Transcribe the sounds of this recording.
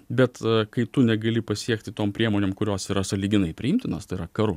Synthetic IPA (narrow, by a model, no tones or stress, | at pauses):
bʲɛt̪kɐɪt̪ʊnʲɛɡɐlʲɪpɐsʲiɛkt̪ʲɪt̪oːmpʲɾʲiɛmoːnʲeːmkʊɾʲoːsiːɾɐsɐlʲiːɡʲɪnɐɪpʲɾʲɪɪmʲt̪ʲɪnoːst̪ɐɪɾɐkɐɾʊ